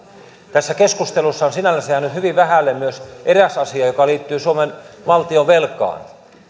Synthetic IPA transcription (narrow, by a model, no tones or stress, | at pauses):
t̪æsːækeskust̪elusːɑonsinælːæsejænyt̪hyʋiʋʋæhælːemmyøsʔeræsɑsiɑjokɑliːt̪ːyːsuomenʋɑlt̪ioʋelkˑɑ̰ːn